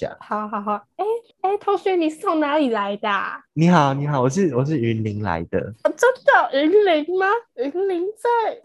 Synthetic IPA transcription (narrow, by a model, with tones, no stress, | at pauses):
a̰˨˩ha˨˩˦ɦɑ˨˩˦ɦɑ˨˩˦e˥˩ɪ | e˥˩ɪt̪ʰo˧˥ŋɕy˧˥ni˨˩ʂ̩˥˩t͡sʰo˧˥ŋna˨˥li˨˩la˨˦ɪd̪ə˧ni˨˩˦ɦɑ˨˩˦ʊni˨˩˦ɦɑ˨˩˦wɔ˨˩ʂ̬ɻ̩˥˩wɔ˨˩ʂ̬ɻ̩˥˩y˧˥nli˧˥ŋla̰˧˦ɪd̪ə̰˧˨˩t͡sə˦˥nd̪ə˨˩ʔy˧˥nli˧˥ŋma˧y˧˥nli˧˥ŋt͡sa˥˩ɪ